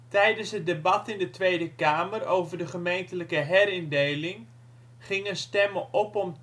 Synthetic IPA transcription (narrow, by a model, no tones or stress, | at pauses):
tɛjdənsɦət̚debɑtɪndətʋejdəkaːmərowvərdəχəmejntələkəɦɛɾɪndejlɪŋ | χɪŋənstɛməʔɔpɔm